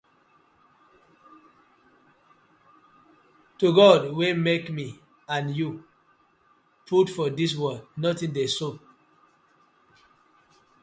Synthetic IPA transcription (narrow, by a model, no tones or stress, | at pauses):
tuɡɔdwemekmi | ãnju | pʰutfɔdis̬wɜdnɔtĩndeso